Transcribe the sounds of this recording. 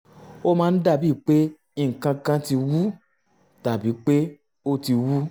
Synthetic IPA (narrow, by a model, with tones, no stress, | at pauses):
o˦mãː˦n̩˦da˦˧˨bi˦˨k͡pe˦ | i˦˧ŋ̩˨kã˧kã˧ti˧wu˦ | ta˨bi˨˦k͡pe˦ | o˦ti˧wu˦